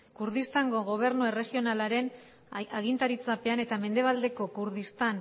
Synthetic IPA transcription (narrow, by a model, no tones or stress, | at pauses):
kuɾð̞ist̪aŋɡo̞ɣ̞o̞β̞e̞ɾnuere̞ɣio̞nalaɾe̞n | aɣint̪aɾit͡sape̞ane̞t̪ame̞nd̪e̞β̞ald̪e̞ko̞kuɾðist̪an